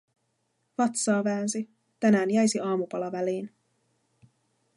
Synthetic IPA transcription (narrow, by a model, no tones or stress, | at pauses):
fɑt̪sɑːʋæːns̬i | t̪ænæːnjæjsiɑːmupɑlɑʋæliːn